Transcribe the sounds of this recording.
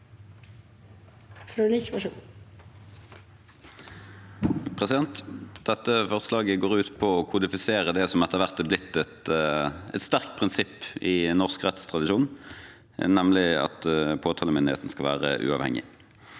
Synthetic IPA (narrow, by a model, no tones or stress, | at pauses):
fɾuliçmɑʃuː | pʰʁɛsɪd̪ɛnt̪d̪̥ɛt̪ːəfɔʁəslɑːɡəɡoːʁʉːt̪pʰɔɔkʰʊd̪ɪfɪseːʁəd̪ɛsɔmɛt̪əʁʋæʁt̪ɛblɪt̪ːɛt̪ | ɛ̰t̪st̪æʁkt̪̚pʰʁɪnsɪpːɪnɔʁskʁɛt̪st̪ʰʁɑd̪ɪʃuːn | nɛmlɪɑ̰t̪pʰoːt̪ʰɑːləmɪnd̪ɪḛːt̪n̩skɑlʋæ̰ːʁə̰ʔʉ̰ːɑ̰ʋhɛ̰ŋɪ̰